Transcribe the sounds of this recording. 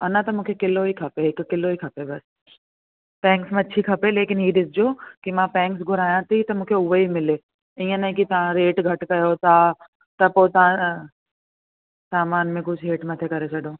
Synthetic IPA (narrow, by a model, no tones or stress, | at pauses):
ɐnat̪ɐmʊkʰekɪlːoikʰɐpeɪkkːɪlːoːikʰɐpebɐs | pɛ̃ːŋksmẽɐtːʃʰikʰɐpeleːkɪnɦiːɖɪsd͡ʒoːkimãpɛ̃ːŋksɡʱʊɾaːjãt̪ʰit̪ɐmʊkʰeʊʋəɦimɪleː | ĩjə̃nɐĩkit̪ɐãɾeːʈɡʱɐʈkɐjoːt̪aː | t̪ɐpoːt̪a | saːmaːnmẽkʊt͡ʃʰɾeːʈmɐt̪ʰekɐɾet͡ʃʰɐɽoː